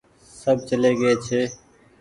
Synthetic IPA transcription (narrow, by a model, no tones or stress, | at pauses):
səb̚ʱt͡ʃəleːɡəeːt͡ʃʰeː